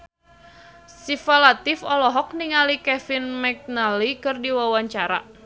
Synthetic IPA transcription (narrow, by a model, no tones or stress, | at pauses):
sifalat̪ɪfɔlɔɦɔk̚niŋalikɛfɪnmɛk̚nalikɨrdiwawaɲt͡ʃaɾa̰